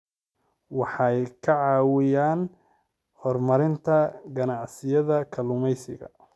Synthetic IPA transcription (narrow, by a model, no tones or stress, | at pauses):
wɑħɑjkʰɐʕɑːwɪjaːn | hɔrmɐɾɪnt̪ʰɐɡɐnɑʕsɪjɐðɐkʰɐlʊmɛjsɪ̰ɣɐ̰